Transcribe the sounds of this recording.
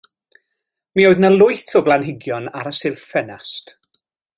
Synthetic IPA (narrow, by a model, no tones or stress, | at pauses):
mioːɨðnalˠʊɨθɔblˠanɦɪɡjɔnaɾəsɪlˠfɛnast